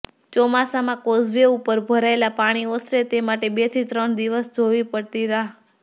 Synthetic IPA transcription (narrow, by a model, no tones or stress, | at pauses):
t͡ʃɔmasamãkozʋeupəɾbʱəɾaelapaɽ̃iosɾet̪emaʈebet̪ʰit̪ɾəɳd̪iʋəsd͡ʒʱoʋipəɽt̪iɾaɦ